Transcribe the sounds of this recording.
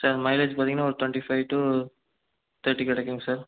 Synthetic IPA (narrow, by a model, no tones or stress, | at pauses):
sɐɾmɐɪled͡ʒpaːɾt̪iŋɐnaːɔɾɯt̪ʋɛɳʈifɐɪʋʈu | t̪ʰɐɾʈːikɪɽɐkːuːŋɡɐsaːɾ